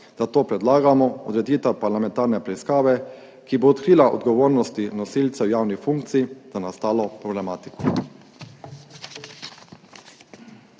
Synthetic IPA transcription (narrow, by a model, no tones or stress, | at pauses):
d̪at̪oːpɾɛd̪laːɡamɔɔd̪ɾɛd̪iːt̪apaɾlamɛ̃nt̪aːɾnɛpɾɛiskaːʋɛ | kiboːt̪kɾiːlaʔɔ̰d̪ɡɔʋoːɾnɔst̪inɔsiːlt̪sɛwjaːwnixfuŋkt̪siːzanast̪aːlɔpɾɔblɛmaːt̪i̥kɔ